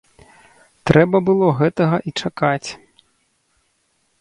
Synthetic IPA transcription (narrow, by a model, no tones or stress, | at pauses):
t̪ɾɛbɐbɨlˠɔɣɛt̪ɐɣɐʔit͡ʂakat͡sʲ